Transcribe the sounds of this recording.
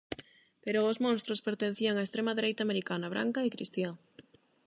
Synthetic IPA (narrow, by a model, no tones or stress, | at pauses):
peɾʊːzmõnst̪ɾʊspeɾt̪en̟θiɐŋaest̪ɾemɐðeɾejt̪aːmeɾikanɐβɾa̰ŋkɐɪkɾḭst̪ja